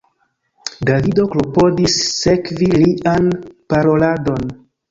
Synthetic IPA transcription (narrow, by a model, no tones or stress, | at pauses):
davido̞klopo̞disːe̞kviliʔanpaɾo̞lado̞n